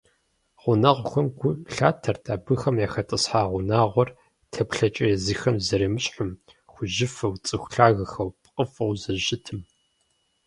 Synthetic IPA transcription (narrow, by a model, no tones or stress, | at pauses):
ʁʷʊnaʁʷʊxʷɔmɡʷʊɬaːtʰɐrtʰaːbɨxɐmjaːxɐtʼɨsħaːʁʷʊnaːʁʷɔr | tʰɐpɬɐt͡ʃʼɐjɛziːxɐmzɐɾeːmɨɕʼħʊm | xʷʊʒɪfɐwt͡sʼɨxʷɬaːɣɐxɐwpʼqʼəfɐwzɐʒɪtʰɨm